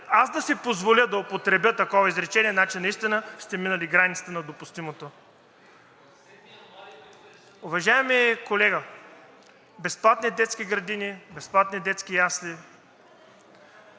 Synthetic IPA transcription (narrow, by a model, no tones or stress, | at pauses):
azd̪ɐsipozvolʲəd̪ɐopot̪ɾɛbʲət̪ɐkɔvɐizɾɛt͡ʃɛniɛnat͡ʃinːɐist̪inəst̪ɛminəliɡɾanʲit̪sə̥t̪ənɐd̪opʊst̪imot̪o | ʊvɐʒaɛmikolɛɡə | bɛsplˠat̪nid̪ɛt̪skiɡɾɐd̪inibɛsplˠat̪nid̪ɛt̪skijasli